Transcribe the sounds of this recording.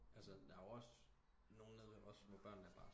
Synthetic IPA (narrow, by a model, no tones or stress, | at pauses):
ʔælsəd̥ɑ̈joɒ̽s | no̝ːn̩neð̥ˠeɒ̽ssmɔ̰b̥ɶɐ̰nːæɐb̥ɑ̈ː